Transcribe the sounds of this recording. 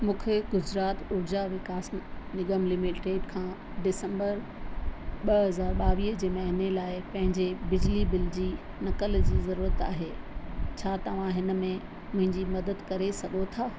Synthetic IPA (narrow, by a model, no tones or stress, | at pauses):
mũːkʰeɡʊzɾaːt̪ʊɾd͡ʑaʋɪkaːsnɪɡəmlɪmɪʈɾeːʈkʰãː | ɖɪsə̃mbəɾ | ɓɐɦɐzaːɾɓaːʋiːɦd͡ʑeːmɐɦɪnelaːɪpɐ̃ɦɪ̃ɲd͡ʑebɪd͡ʑlibɪld͡ʑiː | nɐkəld͡ʑiːzɐɾuːɾət̪a̰ːɦeːt͡ɕʰaːt̪ɐʋ̤ãɦɪnə̆mẽ | mʊ̃ɦɪ̃ɲd͡ʑimɐd̪əd̪kɐɾesɐɠot̪ʰaː